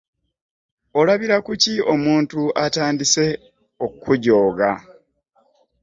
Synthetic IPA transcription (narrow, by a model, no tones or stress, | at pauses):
o̞laβiɾakucio̞muːntuataːndise̞ | okʰːuɟo̞ːɡa